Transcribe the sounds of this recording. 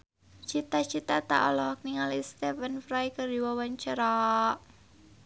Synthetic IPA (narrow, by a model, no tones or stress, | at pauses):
t͡ʃit̪at͡ʃit̪at̪a̰ʔɔlɔɦɔk̚niŋalist̪ɛfənfɾajkədiwawant͡ʃəɾa